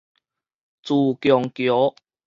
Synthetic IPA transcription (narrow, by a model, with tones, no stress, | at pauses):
t͡suː˨˩kjɔ˨˩ŋkjɔ˨˦